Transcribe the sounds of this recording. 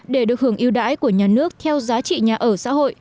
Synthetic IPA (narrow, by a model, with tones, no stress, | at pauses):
ɗe˧˩ɗɨ˨˩ək̚hɨ˧˩əŋʔi˧wɗa̰ː˧˥jku˧˩əɲaː˨˩nɨ˦˥ək̚t̪ʰɛ˧wzaː˨˦t͡ɕḭ˧˨ɲaː˨˩ʔəː˧˩sa̰ː˧˥ɦo̰˧˨j